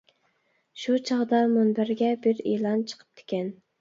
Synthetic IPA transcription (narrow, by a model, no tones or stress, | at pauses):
ʃut͡ʃʰɑʁd̪ɑmunbæɾɡʲɛbɪɾelˠɑnt͡ʃʰə̥qʰə̥p̚t̪ʰe̥kʲɛn